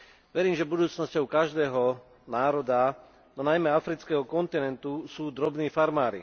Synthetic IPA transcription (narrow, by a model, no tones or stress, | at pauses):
ʋɛɾiːmʒɛbud̪uːt͡snɔscɔʊkaʒd̪ɛːɦɔ | naːɾɔd̪a | d̪ɔnajmɛafɾit͡skɛːɦɔkɔnt̪inɛnt̪usuːd̪ɾɔbniːfaɾmaːɾḭ